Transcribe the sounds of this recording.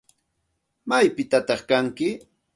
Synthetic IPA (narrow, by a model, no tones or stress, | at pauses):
majpɪt̪at̪ɑχkaŋkɪ